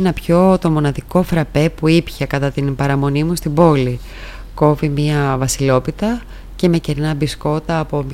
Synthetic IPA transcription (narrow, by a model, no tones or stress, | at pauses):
nɐpço̞t̪o̞mo̞nɐðiko̞fɾɐpe̞puipçekɐt̪ɐt̪inpɐɾɐmo̞nimust̪ibo̞li | ko̞vimiɐvɐsilo̞pit̪ɐ | ce̞me̞ce̞ɾnɐbisko̞t̪ɐːpo̞m